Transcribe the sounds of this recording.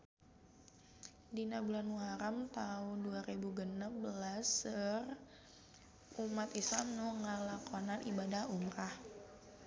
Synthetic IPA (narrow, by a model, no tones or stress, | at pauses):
dinabulanuaɾamt̪aʊnduaɾebuɡənabəlasər | umat̪islamnuŋəlakonanʔibadahumɾah